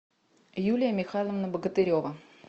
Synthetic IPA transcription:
julʲɪjəmʲɪxalˠəvnəbəɡət̪ɨɾʲovə

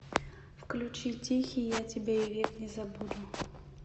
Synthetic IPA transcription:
fklʲut͡ɕitʲixʲijatʲɪbʲeivʲɛknʲɛzabud̪ʊ

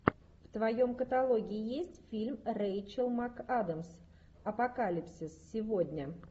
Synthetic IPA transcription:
ft̪vɐjo̞mkət̪ɐlˠo̞ɡʲɪːɪjesʲtʲfʲilʲmrejt͡ɕəlˠmakad̪əms | ɐpɐkalʲɪpsʲɪsːʲɪvo̞d̪ʲnʲə

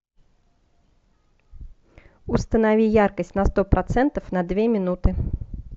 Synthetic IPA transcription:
ʊst̪ənavʲijarkəsʲtʲnɐst̪ɔpɾɐt̪sɛnt̪əfnɐd̪vʲemʲɪnut̪ɨ

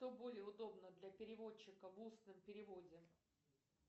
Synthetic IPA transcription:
t̪obo̞lʲɪjəʊd̪o̞bnəd̪lʲɐpʲɪɾʲɪvo̞t͡ɕːɪkəvusnɨmpʲɪɾʲɪvo̞dʲɪ

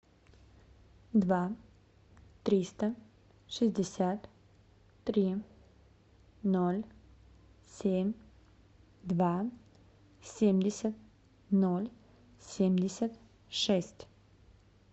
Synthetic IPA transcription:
d̪va | t̪ɾʲist̪ə | ʂɨzʲdʲɪsʲat̪ː | ɾʲi | nolʲ | sʲemʲ | d̪va | sʲemʲdʲɪsʲət̪̚ | nolʲ | sʲemʲdʲɪsʲət̪ | ʂɛsʲtʲ

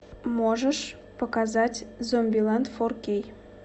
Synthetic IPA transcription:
moʒəʃ | pokɑzɑtʲzomʲbʲilɑnt̪forkʲej

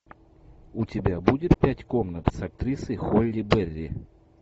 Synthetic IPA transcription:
ʊtʲɪbʲabudʲɪt̪pʲætʲkomnət̪sɐk̚t̪ɾʲisɨjxolʲːɪbɛrʲːɪ̰

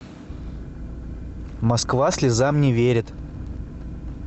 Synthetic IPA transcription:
mɐskvasʲlʲɪzamnʲɪvʲeɾʲɪt̪

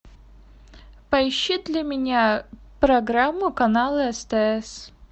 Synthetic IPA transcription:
pɐɕːid̪lʲɐmʲɪnʲapɾɐɡɾamːʊkɐnalˠɨɛst̪ɛɛs

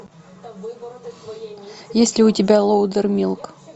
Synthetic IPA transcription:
jesʲlʲɪʊtʲɪbʲalˠowd̪ərmʲilˠk

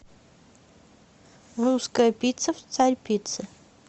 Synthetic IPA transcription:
ruskəjəpʲit̪səft̪saɾʲpʲit̪sɨ

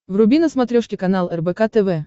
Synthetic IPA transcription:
vrʊbʲinəsmɐt̪ɾʲoʂkʲɪkɐnalˠɛrbɛkat̪ɛvɛ

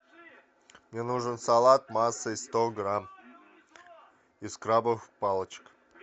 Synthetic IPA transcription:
mnʲenuʐənsalˠat̪̚masːəist̪oɡɾam | iskɾabəvxpalˠət͡ɕə̥k

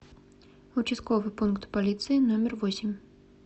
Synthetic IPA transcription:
ut͡ʃiskɔvɨpunkt̪palʲit̪sɨinɔmʲɛrvɔsʲɪmʲ

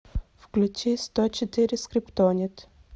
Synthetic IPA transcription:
fklʲut͡ʃist̪ɔt͡ʃɛt̪iɾʲiskɾipt̪ɔnʲit̪

